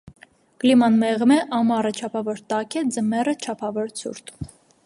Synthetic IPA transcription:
klimɑnmɛʁmɛʔɑmɑrət͡ʃʰɑpʰɑvɔɾt̪ɑkʰɛd͡zəmɛrət͡ʃʰɑpʰɑvɔɾt͡sʰṵɾt̪ʰu

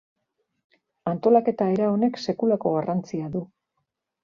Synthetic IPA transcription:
ant̪o̞lake̞t̪ae̞ɾao̞ne̞kse̞kulako̞ɣ̞arant͡siaðu

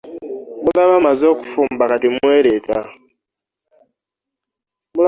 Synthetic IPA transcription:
mulaβamazo̞ːku̥fuːmbakatimweːɾetʰa | mula

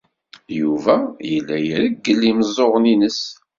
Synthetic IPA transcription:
juvæjəlːæjəɾəɡːəlːiməzˤːoʁəninəs

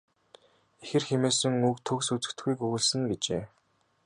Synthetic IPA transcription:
exɘ̆rxemeːsɘ̆ŋukt̪ʰɵksut͡sɘ̥̆kt̪ɡujkɵɣɘ̆ɮsɘ̆ŋɡet͡ɕḛː

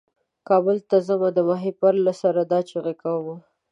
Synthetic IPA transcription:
kɑbəlt̪azəmad̪əmɑɦepaɾlasaɾad̪ɑt͡ʃeɣekawma

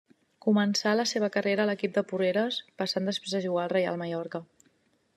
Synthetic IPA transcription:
kumənsaləseβəkəreɾəːləkip̚d̪əpureɾəspəsand̪əspɾezðəʒuɣaəlˠrəja̰lˠməjɔɾkə

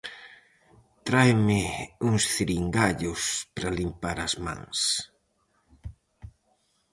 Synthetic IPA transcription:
t̪ɾajmɪuŋsθiɾiŋɡaʎʊspɾɐlimpaɾɐzmã̰ŋs

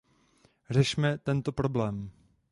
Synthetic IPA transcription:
r̝ɛʃmɛt̪ɛnt̪o̞pɾo̞blɛːm

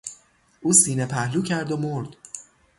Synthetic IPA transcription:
ʔuːsiːnepʰæhluːcʰæɾd̪omoɾd̪

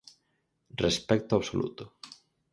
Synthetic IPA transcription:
respɛk̚t̪oaβsolṵt̪ʊ

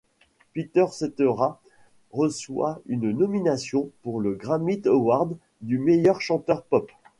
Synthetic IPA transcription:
pit̪œʁset̪øʁa | ʁəswa̰ynnɔminasjɔ̃puʁləɡʁamit̪owaʁd̪ | d̪ymejœʁʃɑ̃t̪œʁpɔp

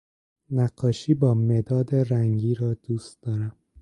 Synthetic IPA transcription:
næqːɒːʃiːbɒːmed̪ɒːd̪e̞ɾæŋɡiːɾɒːd̪̥uːst̪d̪ɒːɾæm

